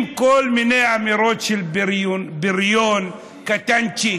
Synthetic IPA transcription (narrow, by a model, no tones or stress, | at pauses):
mkoːlmineamiɾot͡ʃilbɾbiɾjon | kat̪ant͡ʃi